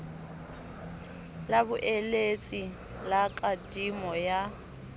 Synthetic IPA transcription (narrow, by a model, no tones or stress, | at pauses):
labʊʔɛlet͡sʼi | lakʼadimɔja